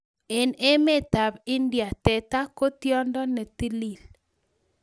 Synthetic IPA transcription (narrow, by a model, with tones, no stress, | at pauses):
e˨ne˦me˦t̪a˨bɪ˦ndja˨tɛ˨t̪a˦ko˦t̪jɔ˦ndɔ˦nɛ˨t̪i˦li˨l